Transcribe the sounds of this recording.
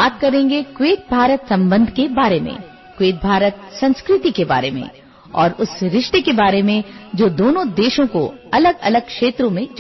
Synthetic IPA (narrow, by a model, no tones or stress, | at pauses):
aːt̪̚kɐɾẽːŋɡekʋeːt̪̚bʱaːɾət̪sɐ̃mbə̃nd̪ʱkebaːɾemḛ̃ | kweːt̪̚bʱaːɾət̪̚sɐ̃nskɾɪt̪ikeba̰ːɾemḛ̃ | ɔːɾʊsɾɪʃʈekebaːɾemẽd͡ʒoːd̪oːnõd̪eːʃõko̰ɐləɡɐ̰ləɡ̚kʃeːt̪ɾõmẽd͡ʒ